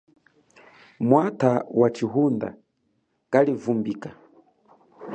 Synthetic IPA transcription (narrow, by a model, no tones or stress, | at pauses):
mwatʰawat͡ʃiɦunda̰ | kalivumbiːka